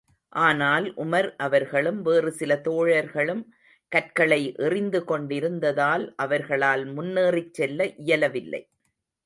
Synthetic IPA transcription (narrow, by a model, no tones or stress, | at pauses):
ʔaːnaːlʔʊmɐɾʔɐʋɐɾɣɐɭɯmʋeːrɯsɪlɐt̪oːɻɐɾɣɐɭɯm | kɐʈ̚kɐɭɐɪʔɛrɪnd̪ɯkɔɳɖɪɾɯnd̪ɐðaːlʔɐʋɐɾɣɐɭaːlmʊnːeːrɪt͡ʃːɛlːɐʔɪjɐlɐʋɪlːɐ̰ɪ